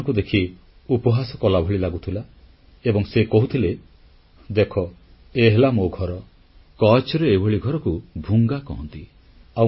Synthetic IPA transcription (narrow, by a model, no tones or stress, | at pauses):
ŋkud̪ekʰi | upɔɦasɔkɔlabʱɔɭilaɡut̪ʰila | ebɔŋsekɔɦut̪ʰile | d̪ekʰɔ | eɦelamoɡʱɔɾɔ | kɔt͡ʃɔɾeːbʱɔɭiɡʱɔɾɔkubʱuŋɡakɔɦɔnt̪i | a